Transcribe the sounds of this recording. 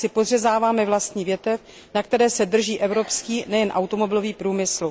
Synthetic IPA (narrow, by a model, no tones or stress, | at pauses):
sɪporɛzaːvaːmɛvlast̪ɲiːvjɛt̪ɛf | nakt̪ɛɾɛːsɛd̪r̩ʒiːʔɛvɾopskiːnɛjɛnʔawt̪omo̞bɪlo̞viːpɾuːmɪslu